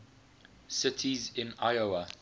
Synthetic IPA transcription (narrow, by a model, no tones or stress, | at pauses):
sɪtʰizɪ̃naɪoə